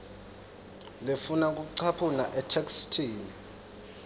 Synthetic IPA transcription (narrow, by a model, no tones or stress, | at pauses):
lefunak̬ʼuk̬uǀʰapʰunaʔɛtʰekstʰiːni